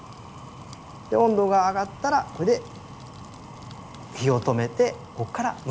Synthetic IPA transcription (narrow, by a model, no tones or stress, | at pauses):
d̪̥eõ̞nd̪o̞ːɡaːɡat̪ːaɾakoɾed̪e | kʲio̞t̪o̞me̞t̪e̞ | ko̞kːaɾam